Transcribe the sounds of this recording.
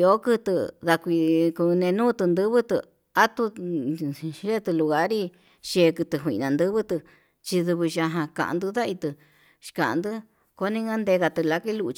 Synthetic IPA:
o˨˦kɨ˦˧t̪ɨ˧ða˧kʷi˧ku˧nẽ˧nũː˦t̪ɨ˧nd̪ɨ˦βɨ˦t̪ɨ˧ | a˦t̪u˧ | ʒe˦t̪ɨ˧lu˧ɣa˦ɾi˦˧ | ʃe˧kɨ˧t̪ɨ˧ɦʷḭ̃˧nã˨˧nd̪ɨ˦βɨ˦t̪ɨ˧ | t͡ʃi˧ðu˧βɨ˧ʃa˧ɦã˧ka̰˧ʔã̰˧nd̪ɨ˦ða˦i˧t̪ɨ˧ | ʃkã˨ʔa˧nd̪ɨ˦ | ko˦nĩ˧˦ŋa˦nd̪e˧ɣa˧t̪ɨ˧la˧ki˦lu˧t͡ʃ

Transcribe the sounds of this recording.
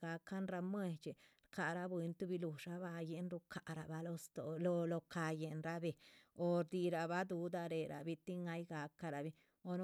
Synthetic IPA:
ɡa˧ka˦nɾa˧mwe˧t͡ʃe˨ɾka˨ɾa˦bwe˧nt̪u˦bi˧lu˨ʃa˦ba˧je˧nɾu˧kʰa˨ɾa˨ba˧lo˧st̪o˨lo˧lo˧ka˧je˨nɾa˦be˨o˨ɾd̪i˧ɾa˨ba˦d̪u˧d̪a˧ɾe˨ɾa̰˨bi˧t̪i˦ŋa˧˦jɡa˧ka˧ɾa˨bi˧ | o˧n˦

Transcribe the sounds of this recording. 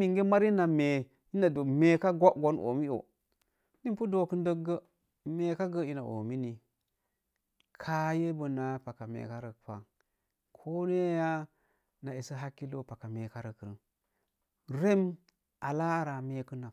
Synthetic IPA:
i˨ŋɡe˦ma˦ɾi˦na˨me˨ | i˦na˨do˨me˨ka˦ɡʷa˦ʔɡo˦nʔo̰˨mi˦o̰˨ | ni˦mpu˦do˨kə˦ndə˦ɡə˦ | me˦ka˦ɡə˦i˦na̰˨ʔo̰˨mi˦ni˨ | kʰa˦je˦bə˨na˨pa˨ka˨mḛ˨ka˦ɾə˨pa̰˨ŋ | kʰo˦ne˦ja˦ | na˨i˨sə˦ɦa˦kːi˦lo˦pa˨ka˨me˨ka˦ɾə˨kɾə˨n | ɾe˦m | a˨la˦ɾa˨me˦kə˦na˨

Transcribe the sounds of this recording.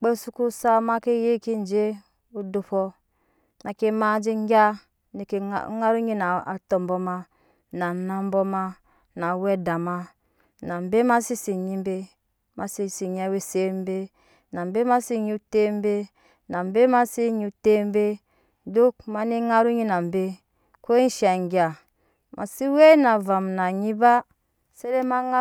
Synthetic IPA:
k͡pe˦su˦ku˦sa˦ma˦ke˦je˦ki˦n˨˦d͡ʒe˦ | u˦du˦pɔ˦ | na˨ke˦ma˦d͡ʒi˦ŋ˦ɡʲa˦ | ne˨kḛ˨˦ŋa˦ɾu˦ɲi˦na˨a˨to˨m˨bo˦ma˦ | na˨na˦m˦bo˦ma˦ | na˨we˦da˨ma˦ | na˨m˨be˦ma˦si˦si˨ɲi˦m˦be˦ | ma˨si˦si˨ɲ˨˦a˦we˦se˦m˦be˦ | na˨mbe˦ma˦si˦ɲi˦te˦m˦be˦ | na˨mbe˦ma˦si˦ɲi˦te˦m˦be˦ | do˦k̚ma˨ni˦ŋa˦ɾu˦ɲi˦na˨mbe˦ | ko˦n̩˦ʃa˨ŋ˨ɡi˨a˨ | mʔa̰˨si˦we˦na˨va˨mna˨ɲi˦ba˦ | se˦ɾe˦ma˦ŋa˦

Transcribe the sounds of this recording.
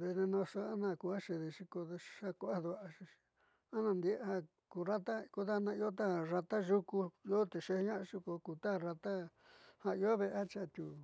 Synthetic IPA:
ðe˧nẽ˧nõ˧so˧a˦nã˦˨ku˧a˦ʃe˧ðe˧ʂi˧ko˧ð̥a˦ku˧a˦d̪u˧˨a˧ʃi˧i̥˧ | a˦nã˧˨nd̪i˧˦ha˦ | ku˨˧ɾa˦t̪a˦ku˧ða˦˧nã˧i˧˦o˦t̪̬a˦˨ra˧t̪a˦ʒu˦ku˧jo˦t̪e˨ʃe˧hɲã˦ʔʃi˧ko˧ku˧˨t̪a˦˨ɾa˧t̪a˦ | hã˧i˧o˦βe˧ʔa˦t͡ʃa˦˨t̪ʲu˨

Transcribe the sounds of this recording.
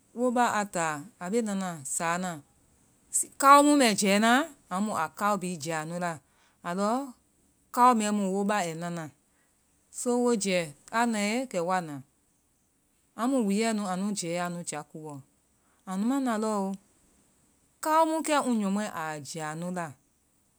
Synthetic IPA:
wo˦ɓa˦ʔa˧taː˨a˨ɓe˦nã˧nã˨saː˨˦nã˨ | i˨ka˦o˦mũ˦mɛ̃˨d͡ʒɛː˨˦nãː˦ã˨˦mũ˨a˨ka˦o˧bi˨˦d͡ʒa˨nũ˨˦la˧˨ | a˨lɔː˨˦ | ka˦wo˧mɛ̃˨˦mũ˨wo˧˦ɓa˦˨ɛ˨nã˧˦nã˨ | so˦wo˦d͡ʒɛ˨˦a˦nã˨˦e˦kɛ˨wa˧˦˨nãː˨ | ã˧˦mũ˨wi˨˦jɛ˦nũ˧˦ã˨nũ˨˦d͡ʒɛː˨˦a˧nũ˨˦d͡ʒa˨˦ku˨˦wɔ˨ | ã˨nũ˦mã˦nã˨lɔː˦o˧ | ka˦o˦mũ˦kɛ˦ŋũ˧˦ɲɔ̃˨mwɛ̃˦ʔa˨d͡ʒa˨nũ˦la˧˨

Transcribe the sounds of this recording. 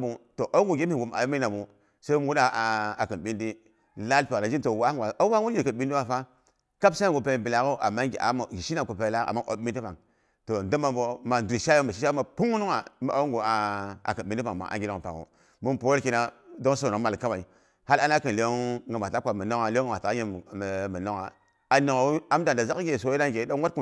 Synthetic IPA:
bu˨to˨ʔo˦ŋɡu˨ɡʲi˦i˨ɡu˨m˨a̰˨jo˦mi˦na˨bu˨ | sa˦m˦wu˦ɗa˨a˨kə˨nɓi˦ndi˦ | la˦lpe˨na˨d͡ʒi˦to˨wa˦ŋwa˨a˦wa˦wu˦ji˨kə˨nɓi˦n˦di˦wa˦fa˦ | ka˦bsa˦ŋɡu˨pe˨bi˨la˨ko˦ʔa̰˨mːa˦ɡa̰˨˦m˨ɡi˨ʃi˦na˨ku˨pe˨˦la˦a̰˨mːa˦ʔo̰˨˦i˦n˦i˦pa˨ŋ | to˨ndə˦ma˨o˨ma˨du˨i˨ʃa˦jo˦mə˨ʃi˦ʃa˦ma˨pu˦ŋu˦nu˦ŋa˨˦m˦˨ʔa̰˨u˦ŋɡo˨a˨a̰˨kə˨ɓi˨˦i˦pa˨ŋma̰˨ʔa̰˨ɡʲi˨lo˨pa̰˨ŋo̰˨ | mu˦po˦ki˦na˨do˦ŋso˨o˨˦ma˨lka˦wa˨i˨ | ha˦la˦na˦kə˨li˨˦o˦ŋ˦ɡa˨mʷ˨a˨ta˦kʷa˨mə˨no˦ŋa˨le˦ŋɡwa˨ta˨˦ɲe˨mə˨no˦ŋa̰˨ | a˨ne˨ŋo˨˦a˦m˦da˨n˨da˨za˦kɡʲe˨so˨˦ji˦na˦ɡe˨˦do˦wa˦ku˨

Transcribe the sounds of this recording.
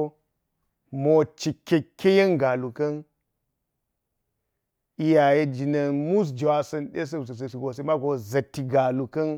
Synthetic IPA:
mo˨t͡ʃi˨kʲːe˨kʲːe˦je˦nɡa˨lu˨kɐ˦n | i˦ja˨je˦d͡ʒi˨nɐ˨nmu˦s̬d͡ʒe˨wa˨sɐ˨nɗe˦s̬ɐ˦˨ssi˨ɡo˨s̬e˦ma˦ɡo˨zɐ˨tːi˨ɡa˨lu˨kɐ˦n

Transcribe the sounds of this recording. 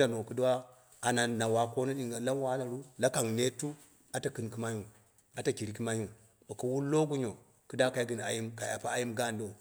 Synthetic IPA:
a˨no˨ku˦du˦wa˦ | a˨na˨na˨wa˨ko˦na˦i˨ŋɡa˨la˦wa˦na˨ɾu˦la˦ka˨ŋne˦tu˦ | a˨ta˨kɨ˨nki˦ma˦ju˨ | a˨ta˨ki˨ɾi˦ki˦ma˦ju˨ | ba˨ka˨wu˦lo˦ɡu˦ɲo˨ | ku˦da˦ka˦i˦ɡi˨n˨a̰˨ji˦mka˨ja˨pa˦a˦ji˦mɡa˦˨ndo˦˨

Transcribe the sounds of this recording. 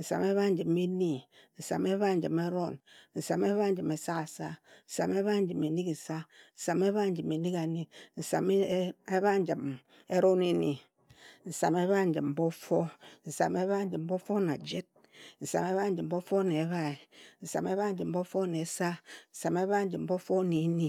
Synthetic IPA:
n̩˨sa̰˨me˦βa˦n̩˨˦d͡ʒi˨me˦ni˦n̩˨sa̰˨me˦βa˦˨n̩˨d͡ʒḭ˨me˦ɾo˦˨nn̩˨sa˨me˦βa˦n˦d͡ʒɨ˨me˨sa˦ka˨sa˦n̩˨sa˨me˦βa˦n̩˦d͡ʒɨ˨me˨ni˦ki˨sa˦n̩˨sa˨me˦βa˦˨n̩˦d͡ʒɨ˨me˨ni˦ka˨ni˦n̩˨sa̰˨m˦e˦βa˦n̩˦d͡ʒi˨m | e˦ɾo˦ne˦nḭ˨ | n̩˨sa̰˨me˦βa˦˨n̩˦d͡ʒɨ˨m̩˦bo˦fo˦n̩˨sa̰˨me˦βa˦n̩˦d͡ʒɨ˨m̩˦bo˦fo˦na̰˨d͡ʒe˦t̚ | n̩˨sa̰˨me˦βa˦n̩˦d͡ʒɨ˨m̩˨bo˦fo˦ne˨˦βa˦i˨n̩˨sa̰˨me˦βa˦n̩˦d͡ʒɨ˨m̩˨bo˦fo˦ne˨˦sa˦n̩˨sa˨me˦βa˦n̩˦d͡ʒɨ˨m̩˦bo˦fo˦ne˨˦ni˦

